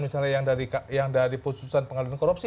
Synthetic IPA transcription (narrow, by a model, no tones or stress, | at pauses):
nmisalɲajaŋdaɾikjaŋdaɾiput̪usanpəŋadilankoɾup̚si